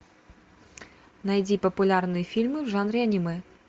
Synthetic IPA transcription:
najd͡zʲipɐpulʲarnɨjɛfʲilʲmɨʐanɾʲanʲimɨ

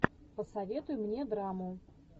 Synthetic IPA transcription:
pəsɐvʲe̞t̪ʊjʊmnʲe̞d̪ɾamʊ

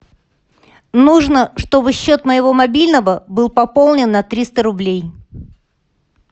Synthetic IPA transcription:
nuʐnəʂt̪o̞bɨɕːo̞t̪məjɪvo̞mɐbʲilʲnəvəbɨlˠpɐpo̞lˠnʲɪnːɐt̪ɾʲist̪əɾʊblʲej

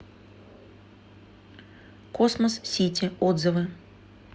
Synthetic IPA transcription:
kosməssʲitʲɪod̪zɨvɨ

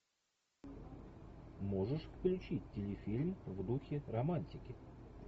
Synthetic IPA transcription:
mo̞ʐɨʂfklʲʊt͡ɕitʲtʲːɪlʲɪfʲilʲmvd̪uxʲɪɾɐmanʲtʲɪkʲɪ

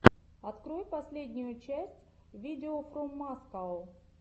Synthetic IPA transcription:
ɐt̪kɾojpɐsʲlʲedʲnʲʊjʊt͡ɕæsʲtʲvʲidʲɪofɾomːaskalˠ

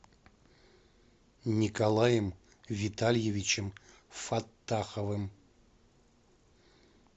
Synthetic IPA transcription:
nʲikɐlˠajəm | vʲit̪ʰalʲjevʲit͡ʃɪm | fat̪ːaχɐvɨm

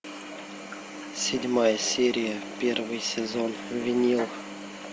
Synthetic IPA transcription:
sʲɪdʲmajəsʲeɾʲɪjəpʲervɨjsʲɪzonvʲɪnʲilˠ

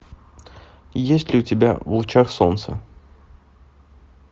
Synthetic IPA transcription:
jesʲtʲlʲɪʊtʲɪbʲa̰vlˠt͡ɕaxsont̪sə̰

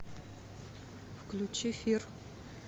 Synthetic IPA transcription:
fklut͡ʃifir

